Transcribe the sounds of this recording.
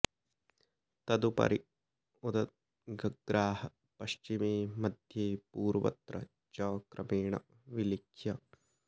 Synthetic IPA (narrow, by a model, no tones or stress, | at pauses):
t̪ɐd̪upɐ̰ɾi | ud̪ɐt̪̚ | ɡɐɡɾaːɦɐ | pɐʃt͡ʃimeːmɐd̪ʱjeːpuːɾʋɐ̰t̪ɾɐ | d͡ʒɐːkɾɐmeːɳɐ̰ | ʋilikʰjɐ